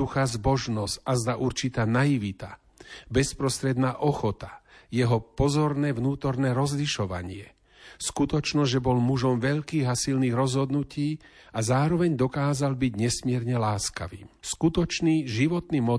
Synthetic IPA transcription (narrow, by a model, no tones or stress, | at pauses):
uxazbɔʒnɔscazd̪aʔuɾt͡ʃit̪aːnajiʋit̪a | bɛspɾɔst̪ɾɛd̪naːʔɔxɔt̪ḁjɛɦɔpɔzɔɾnɛːʋnuːt̪ɔɾnɛːɾɔzliʃɔʋa̰ɲɪɛ | skut̪ɔt͡ʃnɔzʒɛbɔlmuʒɔmʋɛʎkiːɣasilniːɣɾɔzɦɔd̪nuciː | azaːɾɔʋɛɲd̪ɔkaːzalbiɟɲɛsmɪɛɾɲɛlaːska̰ʋḭːmskut̪ɔt͡ʃniːʒiʋɔt̪nimɔ